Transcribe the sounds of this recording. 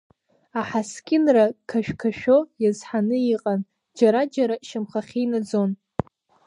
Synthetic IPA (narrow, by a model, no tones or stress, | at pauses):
aħaskʲʼɪnrakʰaʃᶣkʰaʃᶣo̞jazħanɨiqʼan | d͡ʒaɾad͡ʒaɾaʃɪmχaχʲijnad͡zo̞n